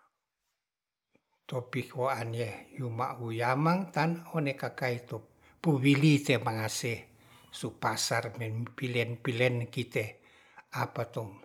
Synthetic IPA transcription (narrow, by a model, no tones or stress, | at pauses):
t̪opikʰoanjejumaʔwujamaŋt̪anonekakait̪o | puwilit̪emaŋase | supasarmɛnpilɛnpilɛnkit̪e | apat̪ɔ